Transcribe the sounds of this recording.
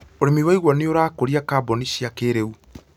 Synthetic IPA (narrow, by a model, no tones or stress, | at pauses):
oɾemiwaiɣwɔneoɾaːkoɾiakaːboniʃiakeɾeu